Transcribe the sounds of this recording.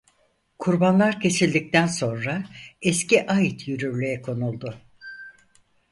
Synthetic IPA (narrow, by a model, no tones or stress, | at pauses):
kʰuɾbanlˠaɾcʰe̞silʲd̪ic̚t̪ʰænso̞nɾaɛsciʔajit̪ʰjyɾyɾlʲyjɛkʰo̞nulˠd̪ʊ